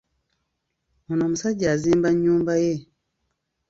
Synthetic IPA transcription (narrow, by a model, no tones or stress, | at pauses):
munɔmusaɟazimbaɲumbaje